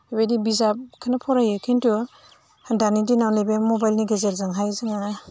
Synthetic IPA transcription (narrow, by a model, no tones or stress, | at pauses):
abedibizap̚kʰanapʰɔɾajekʰintu | danidinawnibemɔbajlniɡezet̚zaŋɦajzɯŋa